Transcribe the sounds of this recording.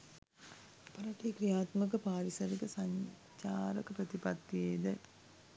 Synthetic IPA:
pɐɾɐʈikɾijaːt̪mək̬əpaːɾisɐɾikəsaɲ | t͡ɕaːɾəkəpɾɐt̪ipat̪ːieːd̪ə

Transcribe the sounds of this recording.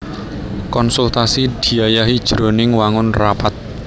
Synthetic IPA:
kɔnsult̪asid̪̥i̤ajaɦid̥ʒ̥ɾo̤nɪŋwaŋʊnrapat̪̚

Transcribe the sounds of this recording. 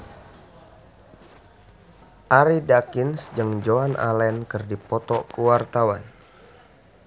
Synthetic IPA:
ʔaɾidakinsd͡ʒəŋd͡ʒoanʔa̰lɛnkɨrdipɔt̪ɔkuwart̪awan

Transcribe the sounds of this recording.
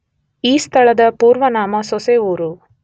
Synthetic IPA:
iːst̪ʰɐɭɐd̪ɐpuːɾʋɐnaːmɐsɔseuːɾu

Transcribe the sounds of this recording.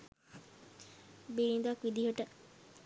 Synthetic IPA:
biɾind̪akʋid̪iɦoʈə

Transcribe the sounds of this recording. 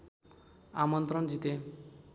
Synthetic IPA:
a̰mɔnt̪ɾɔnd͡ʒit̪e

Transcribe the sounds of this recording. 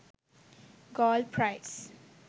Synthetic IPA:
ɡɔlpʰɹaɪs

